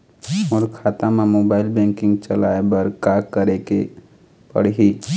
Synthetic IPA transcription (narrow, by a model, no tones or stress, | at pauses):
ɔːɾkʰaːt̪amãmoːbaːɪlbɛ̃ːŋkɪ̃ŋɡt͡ʃəla̰ːebəɾkaːkəɾeke | pə̰ɽ̤ɦiː